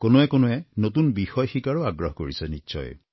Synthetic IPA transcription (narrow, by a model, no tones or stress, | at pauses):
konoɛkonoɛnotunbixɔjxikaɹoaɡɹɔɦɔko̰ɹisɛnitːsɔ̰j